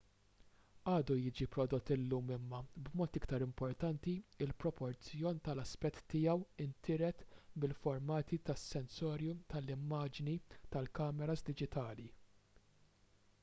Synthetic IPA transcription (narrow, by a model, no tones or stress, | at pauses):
ɐːd̪ujɪːd͡ʒipɾɔd̪ɔt̪ːɪlːuːmɪmːɐbmɔːt̪ɪkt̪ɐɾɪmpɔɾt̪ɐnt̪iɪlpɾɔpɔɾt͡sjɔːnt̪ɐlɐspɛt̪ːɪjɐwɪnt̪ʰɪɾɛt̪mɪlfɔɾmɐːt̪it̪ɐsːɛnsɔːɾjut̪ɐlɪmːɐːd͡ʒnit̪ɐlkɐːmɛɾɐzd̪ɪd͡ʒɪt̪ɐːli